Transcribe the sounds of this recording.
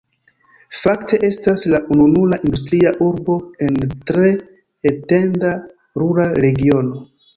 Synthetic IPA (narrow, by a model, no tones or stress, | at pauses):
faktʰe̞ʔe̞staslaʔununulaʔindustɾiaʔuɾbo̞e̞ntɾe̞ː | te̞nda | ɾuɾaɾe̞ɡio̞no̞